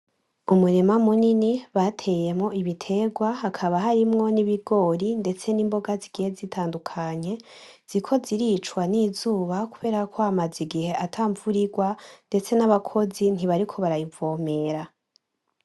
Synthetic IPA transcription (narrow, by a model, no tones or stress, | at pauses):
umuɾemamuniniβatʰe̞je̞mŋo̞ʔiβitʰe̞ɡwaɦakʰaβaɦaɾimŋo̞niβiɡo̞ːɾinde̞t͡se̞niːmbo̞ɡaziɡ̥ihe̞zitʰaːndukʰaɲe̞ | z̥ikʰo̞ziɾiːt͡ʃwaniːzuːβakuβe̞ːɾakʰo̞amaziɡihe̞ʔatʰaːɱvuɾiɡwande̞t͡se̞naβakʰo̞zin̥iβaɾikʰo̞βaɾajivo̞ːme̞ɾa